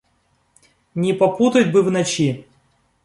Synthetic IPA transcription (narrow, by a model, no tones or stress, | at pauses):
nʲɪpɐput̪ətʲbɨvnɐt͡ɕi